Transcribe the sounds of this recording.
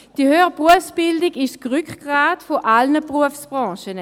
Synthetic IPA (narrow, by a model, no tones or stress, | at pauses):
d̥ihøːbʁuəfsb̥ɪldɪɡɪʃɡ̥ʁykɡ̥ʁaːtfoʔalnəbʁuəfsb̥ʁɑ̃ːʃən